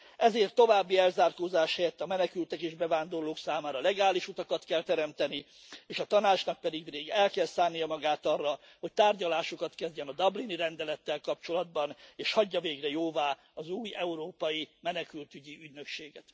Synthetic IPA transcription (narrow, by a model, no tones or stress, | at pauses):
ɛzeːrt̪ːo̞vaːbːiɛlzaːrkoːzaːʃhɛjɛt̪ːɒmɛnɛkylt̪ɛkeːʒbɛvaːnd̪o̞rloːksaːmaːɾɒlɛɡaːliʃut̪ɒkɒt̪kɛlt̪ɛɾɛmt̪ɛni | eːʃɒt̪ɒnaːt͡ʃnɒk̚pɛd̪iɡreːɡɛlkɛlsaːnijɒmɒɡaːt̪ɒrːɒ | ho̞c̚t̪aːrɟɒlaːʃo̞kɒt̪kɛzɟɛnɒd̪ɒbliniɾɛnd̪ɛlɛt̪ːɛlkɒp̚t͡ʃo̞lɒd̪̚bɒneːʃhɒɟːɒveːɡrɛjoːvaː | ɒzuːjɛuɾoːpɒjimɛnɛkylt̪yɟiyɟnø̞kʃeːɡɛt̪